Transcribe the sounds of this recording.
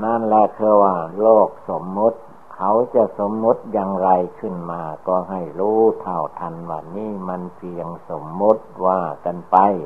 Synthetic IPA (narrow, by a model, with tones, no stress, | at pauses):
na˧˥˨nlɛ˧ʔt̪ʰɯ˧ɐ˧waː˧˩loː˧˩k̚so˨˦mːu˦˥t̪̚ | hʰa˧˦wt͡ɕa˧so˨˦mːu˧˦˥t̪̚jaː˧ŋɾa˧jkʰɯ˧˩˨nmaː˧kɔː˧ɦa˧˩jɾuː˧˥t̪ʰa˧˩wt̪ʰa˧˥nwaː˧˩niː˧˥˩ma˧˥nsi˧ja˧ŋso˨˦mːu˧˦˥t̪̚waː˧˩ka˧˨npa˧j